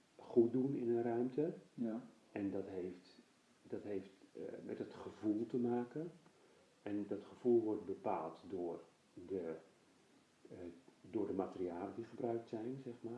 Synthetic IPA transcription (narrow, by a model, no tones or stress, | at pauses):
χut̚dunɪ̰nənrœɥmtə | ʔɛndɔtɦeːft | dɔtɦeːftmɛ̰tətχəv̥ulˠtəmaːkən | ɛndɔtχəv̥ulˠʋɔrt̚bəpa̰ːlˠtdʊːr | də | dʊːrdəmatəriaːlədiχəbrœɥk̚tsɛjnzɛχmaː